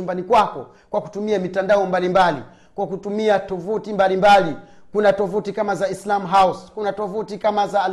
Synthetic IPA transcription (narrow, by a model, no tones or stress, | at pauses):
umbanikwakɔ | kwaku̥tumiamitandaɔmbalimbali | kwakutumiatɔvutimbalimbali | kunatɔvutikamazaislamɦauskunatɔvutikamazaː